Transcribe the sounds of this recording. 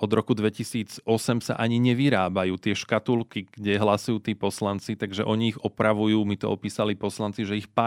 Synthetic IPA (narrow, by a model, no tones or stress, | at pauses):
ɔd̪ɾɔkud̪ʋɛcisiːd͡zɔsɛmsa̰ʔaɲiɲɛʋiɾaːbajuːt̪ɪɛʃkat̪ulkiɡ̥ɟɛɦlasujuːt̪iːpɔslant͡sit̪aɡʒɛʔɔɲiːɣɔpɾaʋujuːmit̪ɔ̰ɔpiːsalipɔslant͡siʒɛixpa